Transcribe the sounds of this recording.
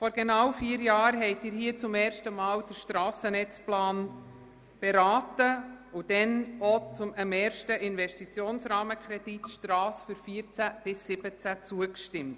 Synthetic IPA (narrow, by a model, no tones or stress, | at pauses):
fɔɾɡenawfiːəɾjɑːɾɦɛɪtɪːɾhiːət͡sʊmɛːɾʃtəmɑːwd̥əɾʃtɾɑːsənɛt͡splɑːn | b̥ɛɾaːtəʊd̥ɛnot͡sʊməmɛːɾʃtəʔɪnvɛʃtit͡sjoːnsɾɑːməkʰɾɛd̥itʃtɾɑːsfyɾfiːɾt͡sæb̥ɪsːɪb̥ət͡sæt͡suəkʃtɪmt